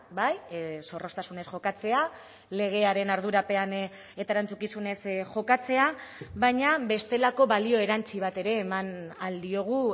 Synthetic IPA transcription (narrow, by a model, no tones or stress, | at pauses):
bajso̞ro̞st̪asune̞sʝo̞kat͡se̞a | le̞ɣ̞e̞aɾe̞naɾðuɾape̞an | et̪aeɾant͡sukisune̞sʝo̞kat͡se̞aβaɲaβe̞st̪e̞lako̞βalio̞e̞ɾant͡siβ̞at̪e̞ɾe̞ːmanald̪io̞ɣ̞u